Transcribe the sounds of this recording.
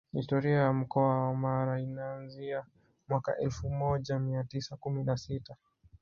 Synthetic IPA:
histɔɾiajam̩kɔawamaɾainaːnzia | mwaka̰ʔɛlfumɔʄamiatisakuminasita

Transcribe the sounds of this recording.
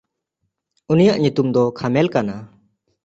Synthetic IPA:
unijaʔɲut̪umd̪ɔkʰamɛlkana

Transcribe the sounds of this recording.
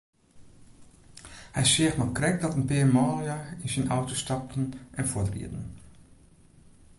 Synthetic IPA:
hɛjsɪəxmɔkrɛk̚dɔtənpeːmɔːlˠjaɪnsinʔawtostɑp̚tn̩ʔɛnfʊɹtrḭədn̩

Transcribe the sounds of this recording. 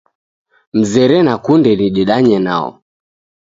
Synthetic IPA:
m̩zɛɾɛnakundɛniɗɛɗaɲɛna̰ɔ̰

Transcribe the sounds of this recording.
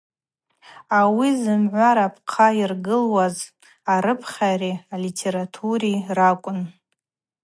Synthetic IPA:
awizɨmʕʷaɾapʰʼqʰairɡɨlwaz | aɾɨpʰχʲarialitʰe̞ɾatʰuɾirakʷʼʊn

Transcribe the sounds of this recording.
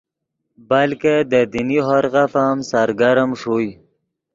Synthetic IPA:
bəlked̪əd̪iniɦoɾɣafamsaɾɡaɾəmʂuj

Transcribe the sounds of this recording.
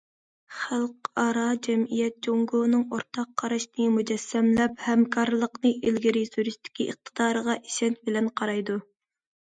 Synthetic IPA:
χælˠqɑɾɑd͡ʒɛmijɛt̪̚d͡ʒoŋɡonɨŋoɾt̪ʰɑqʰːɑɾɑʃnɨmud͡ʒɛsːɛmlɛphɛmkʰɑɾlˠəqnɨʔilɡʲiɾisyɾiʃt̪ʰɪ̥kʲiʔəχ̚t̪ʰə̥d̪̥ɑːɾəʁɑʔi̥ʃɛnt̪̚bɪlɛnqʰɑɾɑjd̪u

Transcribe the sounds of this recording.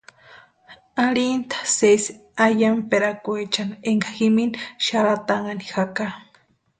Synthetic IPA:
alint̪ʰḁses | ajampeɾakuet͡ʃaneŋɡaximinʃaɾat̪aŋanixaka

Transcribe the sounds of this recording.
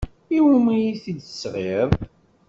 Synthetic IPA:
iwumijiθid̪əsʁeðˤ

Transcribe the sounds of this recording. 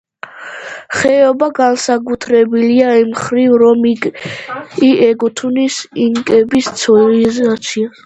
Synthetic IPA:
χɛɔbaɡansakʼut̪ʰɾɛbiliaimχɾivɾɔm | iʔɛɡut̪ʰunisiŋkʼɛbist̪sʰɔlizat̪sʰia

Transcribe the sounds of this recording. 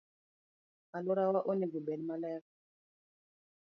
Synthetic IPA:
alɔɾawaʔɔnɛɡubɛlimalɛf

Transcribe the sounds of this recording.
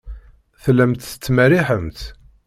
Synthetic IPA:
θəlːæmt̪θə̥t͡sːmæɾiħəmt̪

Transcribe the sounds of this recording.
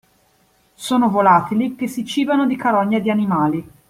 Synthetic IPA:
soːnovolaːt̪ilik̟esːit͡ʃiːbanod̪ikaɾɔɲːad̪ianimaːli

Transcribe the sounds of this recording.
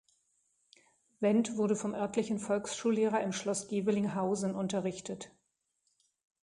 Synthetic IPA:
v̥ɛntv̥ʊɐɾəfɔmʔœɐtʰlɪçn̩fɔlksʃuːlːeːʁɐɪmʃlɔsɡ̥eːvɪlɪŋɦaʊzn̩ʔʊntɐʁɪçtʰət

